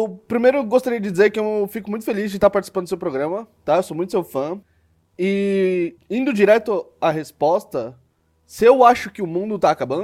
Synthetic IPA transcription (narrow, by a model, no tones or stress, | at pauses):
ewpɾimejɾʊɡost̪aɾiɐd͡ʒɪd͡ʒizeɾkɪewfikʊmũj̃t̪ʊ̥felizd͡ʒɪt̪aɾpaɾt͡ʃisi̥pɐ̃d̪ʊsewpɾoɡɾɐ̃mɐt̪aewsomũj̃t̪ʊsewfɐ̃ | ɪ | ĩnd̪ʊd͡ʒiɾɛt̪ʊaɦespɔst̪ɐ | sɪewaʃʊkɪʊmũnd̪ʊt̪aːkabɐ̃